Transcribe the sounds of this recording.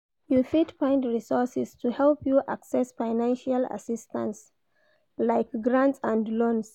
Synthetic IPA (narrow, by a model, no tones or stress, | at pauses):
jufitpãɪ̃ndɹisɔɹsɛstʰuhɛlˠpjuʔa̰ksɛsfaɪnãnʃala̰sistã̰ns | laɪkɡɹãntsãndlɔ̃ns